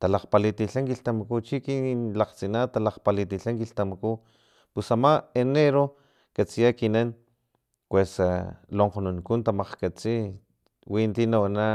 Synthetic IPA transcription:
t̪alaqpalit̪iɬaŋkiɬt̪amakut͡ʃikinlaqt͡sinat̪alaqpalit̪iɬaŋkiɬt̪amaku | pusamaeneɾo | kat͡sijakinan | pwesaloɴqonunkunt̪amaqkat͡si | wint̪inawana

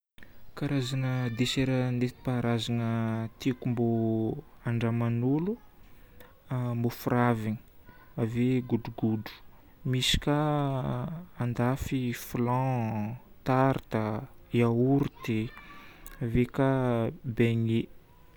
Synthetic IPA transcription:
kaɾazanəd̪eseɾənet̪i̥paɾazanət̪ekumbo | aɳɖ͡ʐamanulu | mbofuɾavini̥ | aveɡuɖ͡ʐuɡudu̥ | misi̥kʲa | and̪afiflɑ̃ | t̪aɾt̪aiauɾut̪e | vekabeɲe

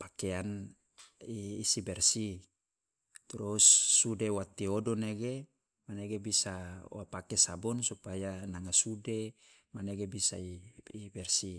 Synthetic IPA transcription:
pakean | iːsibɛrsi | t̪ɾusːudewat̪iɔdɔneɡe | maneɡebisawapakesabɔnsupajanaŋasude | maneɡebisa̰iːbɛrsi

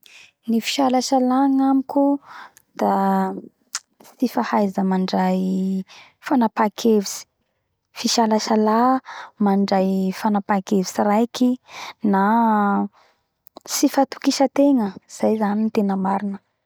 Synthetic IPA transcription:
nifi̥ʃalaʃalaŋamiku | d̪̥a | sifahajzəmaɳɖ͡ʐaj | fanapakʰevisi̥ | fiʃalaʃalamaɳɖ͡ʐajfanapakevisirajkina | sifat̪u̥kiʃət̪eŋəz̥ajzanint̪enəmaɾinə

